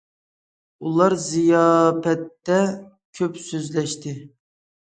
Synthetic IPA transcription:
ulˠɑɾzijɑːpɛt̪ːɛ | kʲʰøpsøzlɛʃt̪ʰɪ

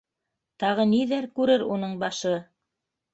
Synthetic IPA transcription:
t̪ɑʁɤniðæɾkʉɾɘɾunɤɴbɑʃɤ

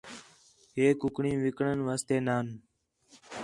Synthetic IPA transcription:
ɦeːkʊkɳĩːʋɪkɳənʋaːst̪eːnaːn

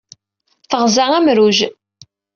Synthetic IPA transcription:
θəʁzæʁæmɾuʒ

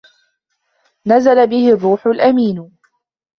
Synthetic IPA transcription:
nazalabɪhɪrˤːuːħʊlʔamiːn

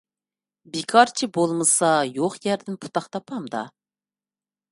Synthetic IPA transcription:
bekʰɑɾt͡ʃʰibolˠmɨsɑjoχjɛɾd̪ɪnpʰu̥t̪ʰɑχt̪ʰɑpʰɑmd̪ɑ̰

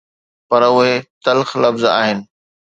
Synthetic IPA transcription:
pɐɾʊɦet̪ɐlxlɐfza̰ːɦɪnɪ̆

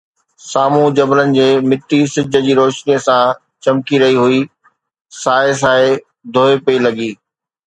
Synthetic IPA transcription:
saːmũd͡ʑɐblənɪ̆d͡ʑeːmɪt̪isɪd͡ʑʱə̆d͡ʑiːɾoːʃnijəsã | t͡ɕɐmkiɾɐɦiɦui | saːes̬aːe | d̪ʱoːepɐilɐɠiː

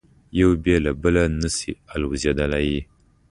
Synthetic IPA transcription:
jəwbielabəlanəsḭalwzadalaji

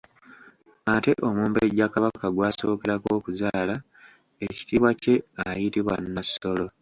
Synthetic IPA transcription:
ate̞ʔo̞muːmbeɟakaβakaɡwaːso̞ːke̞ɾako̞ːkuzaːla | eci̥tiːβwace̞ajitiβwa̰nːasːo̞lo̞

